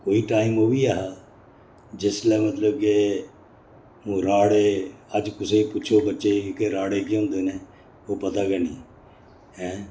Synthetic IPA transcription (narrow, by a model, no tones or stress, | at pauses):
koːiʈaːɪmoːbiaːɦa | d͡ʒɪslɛːmət̪ləb̚ke | mũːɾaːɽeəd͡ʒkʊseipʊːt͡ʃʰobətːʃekokeɾaːɽekiɦõːnd̪eːneː | opɐt̪akɛnḭ̃ː | ɦɛ̃ː